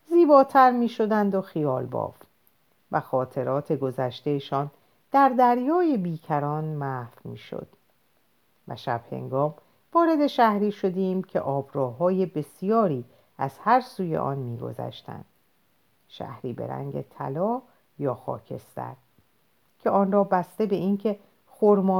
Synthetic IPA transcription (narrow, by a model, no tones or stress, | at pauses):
ziːbɒːt̪ʰæɾmiːʃo̞d̪ænd̪o̞xijɒːlbɒ̰ːft̪ | væxɒːt̪ʰe̞ɾɒːt̪ʰe̞ɡo̞zæʃt̪e̞jeʃɒːn | d̪̥æɾd̪æɾjɒːje̞biːcʰæɾɒːnmæfmiːʃo̞̰d̪̥ | væ̰ʃæb̥he̞̰ŋɡɒːm | vɒːɾe̞d̪e̞ʃæhɾiːʃo̞d̪eiːmcʰe̞̰ʔɒːbɾɒːɦɒːje̞be̞sijɒːɾiː | æz̥hæɾsuːje̞̰ʔɒ̰ːnmiːɡo̞̰zæ̰ʃt̪æ̰nd̪̥ | ʃæ̰hɾiːbe̞̰ɾæ̰ŋɟe̞̰t̪ʰæ̰lɒː | jɒːxɒ̰ːcʰe̞̰st̪æ̰ɾ | cʰe̞ɒːnrɒːbæst̪e̞be̞ʔiːncʰe̞ | xoɾmɒː